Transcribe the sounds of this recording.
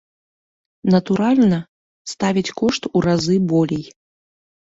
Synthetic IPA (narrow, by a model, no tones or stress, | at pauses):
nɐt̪uɾalʲnɐ | st̪avʲit͡sʲkɔʂt̪uɾazɨbɔlʲɛj